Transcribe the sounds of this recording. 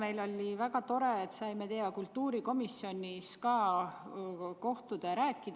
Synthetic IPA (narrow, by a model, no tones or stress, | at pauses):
me̞jlo̞lʲːivæɡɑt̪o̞ɾe̞ːt̪sɑjmet̪e̞ɑkult̪ːuːɾiko̞misːjo̞niskɑː | ko̞ht̪ud̪̥ɑɾæːkːˑid̪̥